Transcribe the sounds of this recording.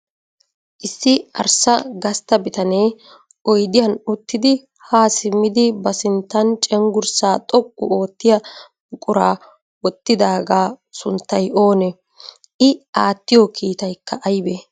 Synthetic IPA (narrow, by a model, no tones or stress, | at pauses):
ʔɪsːɪɐ̰ɾsɐɡɐst̪ːɐbɪt̪ɐneː | ʔɔjd̪ɪjɐnʊt̪ːɪd̪ɪ | haːsɪmːɪd̪ɪbɐsɪnt̪ːɐnt͡ʃʼɛŋɡʊɾsaːt̪ʼɔkʼːʊ̰oːt̪ːɪjɐ | ʊkʼʊɾaː | wɔt̪ːɪd̪aːɡaː | sʊnt̪ːɐjʔo̞ːnɛ | ʔɪaːt̪ːɪjɔkʰiːt̪ɐjkʰːɐʔɐjbɛ